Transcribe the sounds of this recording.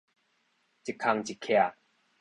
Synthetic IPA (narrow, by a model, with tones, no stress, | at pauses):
t͡ɕi˨˩kʰːa˧ŋt͡ɕi˨kʰɛ˧˨